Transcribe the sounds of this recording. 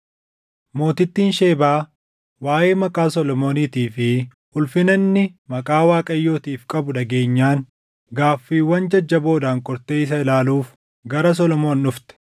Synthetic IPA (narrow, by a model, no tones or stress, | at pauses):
mo̞ːt̪ɪt̪ːiːnʃe̞ːbaː | waːje̞ːmɐkʼaːsɔlɔmo̞ːniːt̪iːfɪʔʊlfɪnɐnːɪmɐkʼaːwaːkʼɐjːo̞ːt̪iːfkʼɐbʊᶑɐɡe̞ːɲːaːŋ | ɡaːfːiːwːɐnd͡ʒɐd͡ʒːɐbo̞ːd̪aːŋkʼɔɾt̪e̞ːɪs̬ɐɪlaːluːf | ɡɐɾɐs̬ɔlɔmo̞ːnːʊft̪ɛ̥